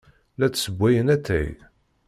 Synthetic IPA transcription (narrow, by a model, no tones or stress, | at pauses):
læt͡sːsəbʷːæjənæt̪ːæ̰j